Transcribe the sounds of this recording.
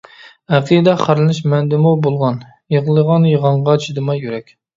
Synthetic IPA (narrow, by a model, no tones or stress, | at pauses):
æqʰiɨd̪ɛχæɾlɨnɪʃmɛnd̪ɪmubolˠʁɑn | jəʁlˠəʁɑnjəʁɑɴʁɑt͡ʃʰid̪ɨmɑjyɾɛkʲ